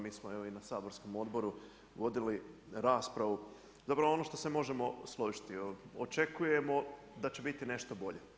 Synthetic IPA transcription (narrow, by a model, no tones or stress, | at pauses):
miːsmoeʋoinasaːbo̞ɾsko̞mo̞d̪bo̞ɾu | ʋo̞d̪iliɾaːspɾaʋu | zapɾaʋoo̞no̞ʃt̪o̞se̞mo̞ʒe̞mo̞slˠoʒi̥t̪io̰t͡ʃe̞kuje̞mo̞ | d̪at͡ɕe̞bit̪ine̞ʃt̪o̞bo̞ʎe̞